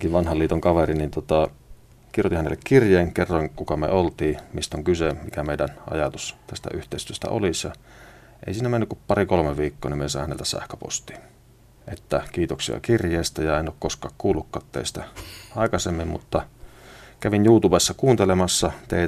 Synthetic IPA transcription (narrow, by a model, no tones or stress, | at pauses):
kiʋʋɑnhɑliːt̪oŋkɑʋerinint̪ot̪ɑ | kirjot̪ihænelːekkirjeːŋkerːɑŋkukɑmḛolt̪iːmist̪oŋkysemikæmeˑidænʔɑ̰jɑt̪ust̪æst̪æ̰ʔyht̪ˑeˑist̪yøst̪æ̰o̰lisjɑ | ʔḛˑisiːnæmenːykuppɑrikolomeʋiːkːoːnimesɑˑihænelt̪æsæ̰hkøpo̰st̪iːn | ʔet̪ːækiːt̪oksḭɑ̰kirjeˑːst̪æjɑenoːkkoskɑ̰ːkkuːlːukːɑ̰ːt̪t̪ḛist̪æɑˑekɑsemːimmṵt̪ːɑ | kæʋinjuːt̪ubesːɑkuːnt̪elemɑsːɑt̪eˑi